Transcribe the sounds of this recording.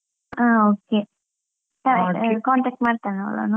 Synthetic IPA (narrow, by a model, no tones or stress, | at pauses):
aːoke | t̪akɔnt̪ak̚t̪maɾt̪ano̰la̰no